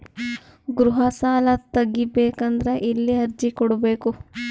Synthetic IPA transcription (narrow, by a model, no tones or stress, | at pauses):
ɡɾuɦɐsaːlɐt̪ɐɡːibeːkɐnd̪ɾeʔilːiɐɾd͡ʒikɔɽubeːku